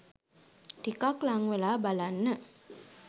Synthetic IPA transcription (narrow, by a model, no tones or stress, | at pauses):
ʈikaklaŋʋelaːbalanːə